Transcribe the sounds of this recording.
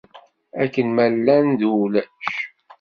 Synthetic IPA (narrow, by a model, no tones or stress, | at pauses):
ækːənmælːænd̪ulæʃ